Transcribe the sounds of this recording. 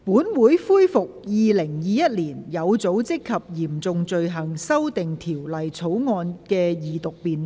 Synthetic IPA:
puː˨˥nwuː˨˥jfuː˥jfʊ˨k̚jiː˨˧lɪ˨˩ŋjiː˨˧jɐ˥t̚liː˨˩njɐ˨˧wt͡so˨˥wt͡sɪ˥kʰːɐ˨p̚jiː˨˩mt͡sʊ˨ŋt͡sɵ˧ɥɦɐ˨˩ŋsɐ˥wt̪ɪ˨ŋt̪ʰiː˨˩wlɐ˨jt͡sʰo˨˥wŋɔː˧nkɛː˧jiː˨t̪ʊ˨k̚piː˨˧n

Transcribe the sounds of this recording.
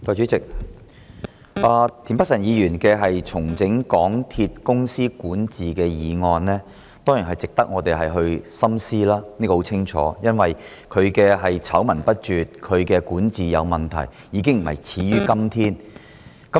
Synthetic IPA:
kɔː˧t͡ʃyː˨˥t͡sɪ˨k̚ | ʔaː˨˧t̪ʰi˨˩npɐ˥k̚sɐ˨˩njiː˨˧jyː˨˩nkɛː˧ɦɐ˨jt͡sʰʊ˨˩ŋt͡sɪ˨˥ŋkɔː˨˥ŋt̪ʰi˧t̚kʊ˥ŋsiː˥kuː˨˥nt͡siː˨kɛː˧jiː˨˧ŋɔː˧nlɛː˥ | t̪ɔː˥ji˨˩nɦɐ˨˩jt͡sɪ˨k̚t̪ɐ˥k̚ŋɔː˨˧t̪e˨˩jɦɐ˨jɦɵ˧ɥsɐ˥msiː˥laː˥ni˥kɔ˧o˨˥wt͡sʰɪ˥ŋt͡ʃʰɔ̰ː˨˦jɐ˥nwɐ˨j | kʰɵ˨˧ɥkɛː˧ɦɐ˨jt͡sʰɐ˨˥wmɐ˨˩npɐ˥t̚t͡ʃyː˨t̚kʰɵ˨˧ɥkɛː˧kuː˨˥nt͡siː˨jɐ̰˨˧wmɐ˨nt̪ʰɐ̰˨˩j | jiː˨˧˥kɪ˥ŋm̩˨˩hɐ̰˨jt͡sʰiː˨˥ɥyː˥kɐ˥mt̪ʰiː˥n | kɐ˦˥

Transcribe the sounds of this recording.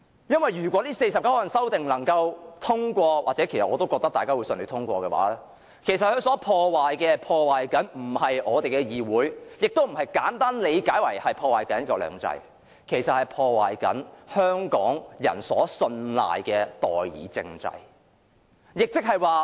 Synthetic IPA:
jɐ˥nwɐ˨jːyː˨˩kʷɔː˨˥liː˥se˧jsɐ˨pkɐ˥wɐ˨˩nsɐ˥wt̪ɪ˨ŋlɐ˨˩ŋkɐ˧wt̪ʰʊ˥ŋkʷɔː˧wa̰ː˨t̚t͡sɛ˨˥kʰe˨˩sɐ˨ʔɔː˨˧t̪o˥wkɔː˧k̪̚ɐ˥t̪aː˨kaː˥wu˨˧˥sɵ˧nle˨˧˥t̪ʰʊ˥ŋkʷɔː˧kɛ˧wa̰ː˨˥lɛː˥ | kʰe˨˩jsɐ˨t̚hɵ˧sɔː˨˥pʰɔː˧waː˨jkɛː˧pʰɔː˧waː˨jkɐ˨˥nm̩˨˩hɐ˨jɔː˨˧t̪e˨jkɛ˧jiː˨wuː˨˥jjɪ˨k̚t̪o˥wm̩˨˩hɐ˨jkaː˨˥nt̪aː˥nle˨˧jkaː˨˥jwɐ˨˩jhɐ˨jpʰɔː˧waː˨jkɐ˨˥n˥kɔː˧lœ̰ː˨˩ŋt͡sɐ̰˧j | kʰe˨˩jsɐ˨t̚hɐ˨˩jpʰɔː˧wa̰ː˨jkɐ̰˨˥nhœː˥ŋkɔ̰ː˨˥ŋjɐ̰˨˩nsɔ̰ː˨˥sɵ˧nla̰ː˨jkɛː˧t̪ɔ̰ː˨jjḭː˨˥t͡sɪ̰˧ŋt͡sɐ̰˧j | jɪ˨k̚t͡sɪ˥k̚hɐ˨jwaː˨

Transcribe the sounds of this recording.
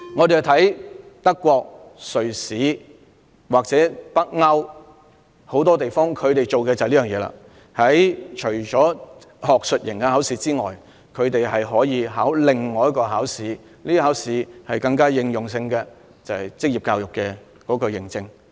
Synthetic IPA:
ŋɔː˨˧te˨jɐ˨˩t̪ʰɐ˨˥jt̪ɐ˥kːʷɔː˧k̚sɵ˨ɥsiː˨˥ | waː˨k̚t͡sɛː˨˥pɐ˥k̚ŋɐ˥w | ho˨˥wt̪ɔː˥t̪e˨jfɔː˥ŋkʰɵ˨˧ɥt̪e˨jt͡ʃo˨wkɛː˧t͡sɐ˨liː˥jœː˨˩ŋjɛː˨˧la̰ː˧ | hɐ˨˥jt͡ʃʰɵ˨˩jt͡ʃɔː˨˥ | hɔː˨k̚sɵ˨t̚jɪ˨˩ŋkɛ˧haː˨˥wsiː˨˥t͡siː˥ŋɔ̰ː˨˩j | kʰɵ˨˧ɥt̪e˨jhɐ˨jɦɔː˨˥jiː˨˧ɦaː˨˥wlɪ˨ŋːɔː˨jɐ˥kːɔː˧ɦaː˨˥wsiː˨˧˥ | liː˥ɦaː˨˥wsiː˨˥hɐ˨jkɐ˧ŋkaː˥jɪ˧ŋjʊ˨ŋs̬ɪ˧ŋkɛ˧ | t͡sɐ˨whɐ˨jt͡sɪ˥k̚jiː˨p̚kaː˧wjʊ˨kːɛ˧ | kɔː˨˥kɔ˧jɪ˨˩ŋt͡sɪ˧ŋ

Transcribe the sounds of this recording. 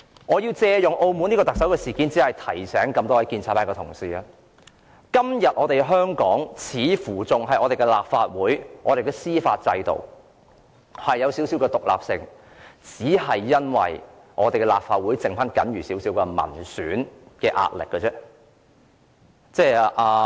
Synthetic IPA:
ŋɔː˨˧jiː˧wt͡sɛː˧jʊ˨ŋʔo˧wmuː˨˥niː˥kɔː˧t̪ɐ˨k̚sɐ˨˥wkɛː˧siː˨kiː˨˥nt͡siː˨˥hɐ˨jt̪ʰɐ˨˩jsɛː˨˥ŋkɐ˧mt̪ɔː˥wɐ˨˥jkiː˧nt͡sʰaː˨˩tpaː˥kɛː˧tʰʊ˨˩ŋsiː˧ɐ˧ | kɐ˥mjɐ˨t̚ʔɔː˨˧t̪e˨jɦœː˥ŋkɔː˨˥ŋt͡sʰiː˨˥fuː˨˩t͡sʊ˨ŋɦɐ˨jʔɔː˨˧ɾe˨˩kɛ˧laː˨˩p̚faː˧t̚wuː˨˥jʔɔ̰ː˧ɾe˨˩jkɛ˧siː˥faː˧t̚t͡sɐ˧jt̪o̰˨w | hɐ˨jːɐ˨˧wsiː˨˥wsi˨˥wkɛː˧t̪ʊ˨k̚la̰ː˨˩p̚sɪ˧ŋ | t͡siː˨˥ɦɐ˨jːɐ˥nwɐ̰˨˩j | ʔɔː˨˧t̪e˨jkɛ˧la̰ː˨p̚faː˧t̚wuː˨˥jt͡sɪ˨ŋfɐ˥nkɐ̰˨˥nɥyː˨˩si˨˥wsiː˨˥wkɛ˧mɐ̰˨˩nsyː˨˥nkɛː˧ʔa̰ː˧t̚lɪ̰˨kːɛ˧t͡sɛː˥ | t͡sɛː˥˩ʔaː˨˧

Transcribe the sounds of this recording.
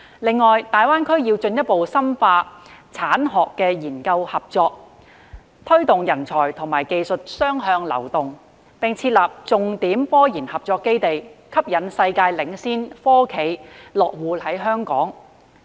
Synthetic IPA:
lɪ˨ŋːɔː˨jt̪aː˨jwaː˥nkʰɵ˥ɥjiː˧wt͡ʃɵ˧njɐ˥t̚po˨wsɐ˥mfaː˧t͡sʰaː˨˥nɦɔː˨kːɛː˧jiː˨˩nkɐ˧whɐ˨p̚t͡sɔː˧k̚ | t̪ʰɵ˥ɥt̪ʊ˨ŋjɐ˨˩nt͡sʰɔː˨˩jt̪ʰʊ˨˩ŋmaː˨˩jke˨jsɵ˨t̚sœː˥ŋɦœː˧ŋlɐ̰˨˩wt̪ʊ˨ŋ | pɪ˨ŋt͡sʰiː˧t̚laː˨p̚t͡sʊ˨ŋt̪iː˨˥mfɔː˥jiː˨˩nhɐ˨p̚t͡sɔː˧kːe˥jt̪e˨jkʰɐ˥p̚jɐ˨˥nsɐ˧jkaː˧jlɪ˨˥ŋsiː˥nfɔː˥kʰe˨˥jlɔː˨k̚wuː˨˧hɐ˨˥jɦœː˥ŋkɔ̰ː˨˥ŋ

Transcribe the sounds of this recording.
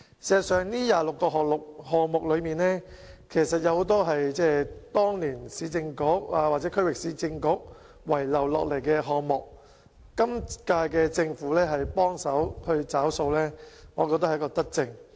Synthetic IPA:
sɛː˨sœː˨˩ŋniː˥jaː˨lʊ˨kːɔː˧ɦɔː˨k̚lʊ˨k̚hɔː˨ŋmʊ˨k̚lɵ˨˧ɥmiː˨nɛː˥ | kʰe˨˩jsɐ˨t̚jɐ˨˧who˨˥wt̪ɔː˥ɦɐ˨jt͡sɛː˥t̪ɔː˥ŋliː˨˩nsiː˨˧˥t͡sɪ˧ŋkʊ˨˥k̚aː˧wa˨t̚t͡sɛː˨˥kʰɵ˥ɥwɪ˨k̚siː˨˥t͡sɪ˧ŋkʊ˨˥k̚ | wɐ˨˩jlɐ˨˩wlɔ̰ː˨k̚le˨˩jkɛː˧ɦɔː˨kmʊ˨k̚ː | ɐ˥mkaː˧jkɛː˧t͡sɪ˧ŋfuː˨˥lɛː˥ɦɐ˨jpɔː˥ŋsɐ˨˥whɵ˧ɥt͡saː˨˥wso˧wlɛː˥ŋɔː˨˧kɔ˧t̪ɐ˥hjkːɔː˧t̪ɐ˥k̚t͡sɪ˧ŋ

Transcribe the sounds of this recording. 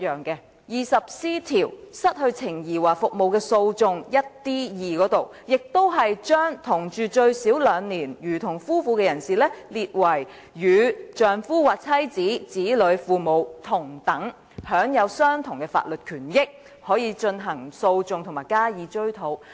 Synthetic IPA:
jœː˨˩ŋkɛ˧ | jiː˨˩sɐ˨p̚siː˥t̪ʰiː˨˩wsɐ˥t̚hɵ˧ɥt͡sʰɪ˨˩ŋjiː˨˩waː˨˩fʊ˨k̚mo˨˧wkɛː˧so˧wt͡sʊ˧ŋjɐ˥t̚t̪iː˥jiː˨kɔː˨˥t̪o˨˩w | jɪ˨k̚t̪o˥wɦɐ˨jt͡ʃœː˥ŋt̪ʰʊ˨˩ŋt͡ʃyː˨t͡ʃɵ˧ɥsiː˨˥wlœː˨˧ŋniː˨˩njyː˨˩t̪ʰʊ˨˩ŋfuː˥fuː˧kɛː˧jɐ˨˩nsiː˨˩lɛː˥liː˨t̚wɐ˨˩j | jyː˨˧t͡ʃœː˨ŋfuː˥waː˨k̚t͡sʰɐ˥jt͡siː˨˥t͡siː˨˥lɵ˨˧˥ɥfuː˨mo˨˧wt̪ʰʊ˨˩ŋt̪ɐ˨˥ŋ | hœː˨˥ŋjɐ˨˧wsœː˥ŋt̪ʰʊ˨˩ŋkɛː˧fa̰ː˧t̚lɵ˨t̚kʰyː˨˩njɪ˥k̚ | hɔː˨˥jiː˨˧t͡ʃɵ˧nɦɐ˨˩ŋso˧wt͡sʊ˨˧ŋt̪ʰʊ˨˩ŋmaː˨˩jkaː˥jiː˨˧t͡ʃɵ˥ɥt̪ʰo˨˥w

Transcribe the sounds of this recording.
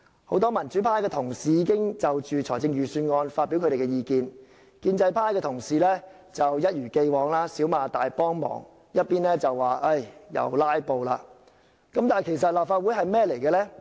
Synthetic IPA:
ho˨˥wt̪ɔː˥mɐ˨˩nt͡ʃyː˨˦˥pʰaː˥jkɛː˧t̪ʰʊ˨˩ŋsiː˨jiː˨˧kɪ˥ŋt͡sɐ˨wt͡ʃyː˨t͡ʃʰt͡sʰɔː˨˩jt͡sɪ˧ŋjyː˨˩syː˧nŋɔː˧nfaː˧t̚piː˨˥wkʰɾe˨˩kɛ˧jiː˨˧kiː˧n | kiː˧nt͡sɐ˧jpʰaː˥jkɛː˧t̪ʰʊ˨˩ŋsiː˨˩lɛː˥ | t͡sɐ˨wjɐ˥t̚jyː˨˩ke˧jwɔː˨˧ŋlaː˥siː˨˥wmaː˨˧t̪aː˨jpɔː˥ŋmɔ̰ː˨˩ŋ | jɐ˥t̚piː˥nlɛː˥t͡sɐ˨wːaː˨˩ʔɐ˥˩jjɐ̰˨˩wlaː˥jpo˨˧wlaː˧ | kɐ˨˦˥mt̪aː˨˩jkʰe˨˩jsɐ˨t̚laː˨p̚faː˧t̚wuː˨˥jɦɐ˨jmɛː˥le˨˩jkɛː˧lɛː˥

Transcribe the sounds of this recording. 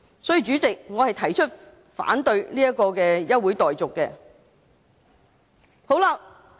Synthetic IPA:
sɔː˨˥jiː˧t͡ʃyː˨˥t͡sɪ˨k̚ŋɔː˨˧hɐ˨jt̪ʰɐ˨˩jt͡ʃʰɵ˥t̚ | fa̰ː˨˥nt̪ɵ˧ɥliː˥jɐ˥kɔː˧kɛː˧jɐ˥t̚wuː˨˥jt̪ɔː˨jt͡sʊ˨kːɛː˧ | ho˨˥wlaː˧

